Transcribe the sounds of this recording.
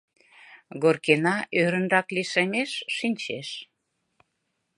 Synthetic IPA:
ɡorkenɑʔøɾə̆nrɑkliʃemeʃːinʲt͡ɕeʃ

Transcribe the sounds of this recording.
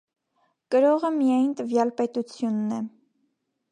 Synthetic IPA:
kəɾɔʁəmijɑjnt̪əvjɑlpɛt̪ut͡sʰjunːɛ

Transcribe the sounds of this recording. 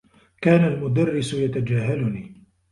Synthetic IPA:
kaːnalmʊd̪arːɪsʊjat̪ad͡ʒaːɦalʊniː

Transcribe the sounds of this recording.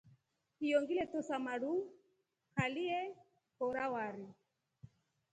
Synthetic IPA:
hijɔŋɡilɛtɔsamaɾu | kaliɛ | hɔɾawaɾi

